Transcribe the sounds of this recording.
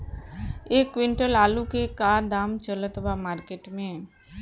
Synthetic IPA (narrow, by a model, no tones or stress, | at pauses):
eːkːwɪ̃ɳʈəlaːlukekaːd̪aːmt͡ʃələt̪ʋamaːɾkeːʈmẽ